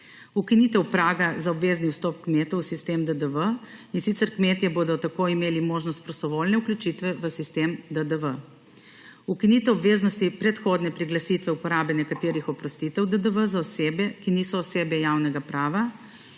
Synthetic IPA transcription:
ukiniːt̪ɛwpɾaːɡazaɔbʋeːzniwst̪ɔpkmeːt̪ɔwsist̪emd̪əd̪əʋəinsit̪sɛɾkmeːt̪jɛboːd̪ɔt̪akoimeːlimoːʒnɔst̪̚pɾɔst̪ɔʋoːlnɛukljut͡ʃit̪ʋɛʋəsist̪emd̪əd̪əʋə | ukinit̪ɛwɔbʋeːznɔst̪ipɾɛt̪xoːd̪nɛpɾiɡlasit̪ʋɛupɔɾaːbɛnɛkat̪eːɾixɔpɾɔst̪it̪ɛwd̪əd̪əʋəzaɔseːbɛkiniːsɔːseːbɛjawnɛɡapɾaːʋa

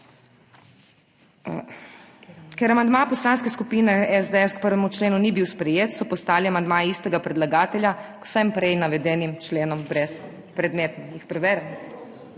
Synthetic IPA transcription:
kɛɾamand̪mapɔslaːnskɛskupiːnɛɛzd̪eɛskpəɾʋɛmut͡ʃleːnunibiwspɾɛjeːt̪sɔpɔst̪aːliamand̪maːjɛiːst̪ɛɡapɾɛd̪laɡaːt̪ɛljakw̥sɛmpɾɛjnaʋɛd̪ɛːnimt͡ʃleːnɔmbɾɛs | pɾɛd̪meːt̪nimjixpɾɛʋɛːɾɛm

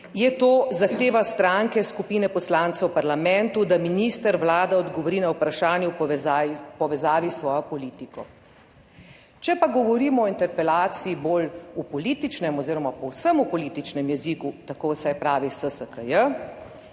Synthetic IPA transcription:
jɛt̪oːzaxt̪eːʋast̪ɾaŋkɛskupiːnɛpɔslaːnt̪sɛwpaɾlamɛnt̪ud̪aminist̪əɾʋlaːd̪aɔd̪ɡɔʋɔɾiːnawpɾaʃaːnjɛapɔʋɛzaːʋisʋɔːjɔpɔlit̪ikɔ | t͡ʃɛpaɡɔʋɔɾiːmɔːint̪ɛɾpɛlaːt̪siːboːlupɔliːt̪it͡ʃnɛmɔziːɾɔmapɔwsəmupɔliːt̪it͡ʃnɛmjɛzikut̪akoːwsajpɾaːʋisəsəkəjə

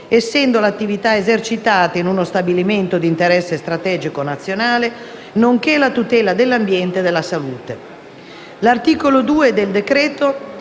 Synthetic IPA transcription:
esːɛnd̪olat̪ːivit̪aezert͡ʃit̪aːt̪ainunost̪abiliment̪od̪iːnt̪eɾɛsːest̪ɾat̪ɛːd͡ʒikonat̪sːjonaːle | noŋk̟elat̪ut̪ɛːlad̪elːambjɛnt̪ed̪elːasaluːt̪e | lart̪iːkolod̪uːed̪eld̪ekɾɛːt̪o

